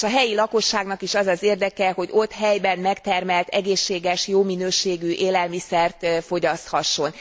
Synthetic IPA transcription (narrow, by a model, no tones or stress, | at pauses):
ʃɒɦɛjilɒko̞ʃːaːɡnɒkiʃɒzɒzeːrd̪ɛkɛho̞ɟo̞t̪ɦɛjbɛnmɛkt̪ɛrmɛlt̪ɛɡeːʃːeːɡɛʃjoːminøːʃeːɡyʔeːlɛlmisɛrt̪fo̞ɟɒst̪hɒʃːo̞n